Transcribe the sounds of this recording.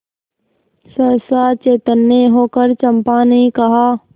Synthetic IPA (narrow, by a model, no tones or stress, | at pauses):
səɾsaːt͡ʃeːt̪ənːeɦoːkəɾt͡ʃə̃mpanɐɦĩkɐɦaː